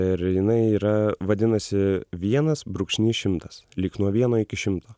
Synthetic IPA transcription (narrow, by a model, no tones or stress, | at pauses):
ɪɾjɪnɐɪiːɾɐʋɐd̪ʲɪnɐsʲɪʋʲiɛnɐsbɾʊkʃʲnʲiːʃʲɪmt̪ɐslʲiːknuɔʋʲiɛnoːɪkʲɪʃʲɪmt̪oː